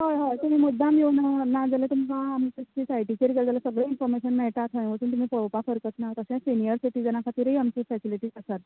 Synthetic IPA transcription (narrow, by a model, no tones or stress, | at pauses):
ɦajɦajt̪um̤imud̪ʱːamjewnanad͡zəlet̪umikaːmtət͡ɕisajʈit͡ɕeɾk̬eld͡zalasəɡɭeinfɔɾmeɕənːɛjʈ̪at̪ʰɦə̃ʋət̪unt̪um̤ipəɭpakʰəɾkət̪nat̪əɕãsinijəɾsiʈid͡zənakʰat̪iɾəiamt͡ɕifɛsiliʈiːd͡zəsat̪